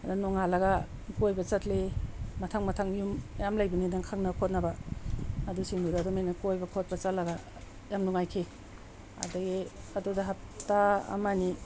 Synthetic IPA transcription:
adanɔŋalaɡakujbɐt͡ʃatlematʰaŋmatʰaŋjumjamlajbinidaŋkʰaŋnakʰot̚nabaː | dusiŋdudadumajnakojbakʰot̚pat͡ʃatlaɡa | jamnuŋajkʰe | ɐ̰daɡi | ɐdudaɦap̚taɐ̰mani

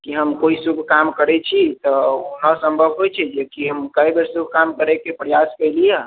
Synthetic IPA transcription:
kiɦəmkoisuɡʱkamkəɾɛt͡ʃʰit̪ɔonəsəmbʱəbʱɦojt͡ʃʰɛd͡ʒekiɦəmkəjbeɾsubʱkamkəɾɛkepɾəjaskəjlijɛ

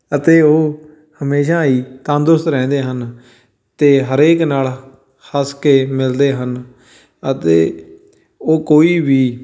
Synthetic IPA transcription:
ət̪eːoː | həmeːʃãːiːt̪ãːnd̪ʊʊst̪ɾɛ̃ːnd̪eːɦən | t̪eːɦəɾeːknaːl | həskeːmɪld̪eːɦən | ət̪eː | oːkoːiːʋiː

